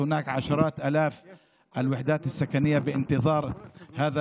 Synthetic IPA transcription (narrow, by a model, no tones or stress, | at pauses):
hʊnaːkʕaʃɑɾˤɑːt̪ʔaːlaːf | ʔalwɪħd̪aːt̪asːakanɪjːabɪʔɪnt̪ɨðˤɑːɾˤhaːða